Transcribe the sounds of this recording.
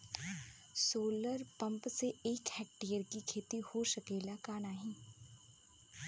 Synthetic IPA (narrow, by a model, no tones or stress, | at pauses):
soːləɾpɐ̃mpseeːkhɛːk̚ʈiːəɾkikʰeːt̪ihoʃəkeːlakaːnaːɦĩː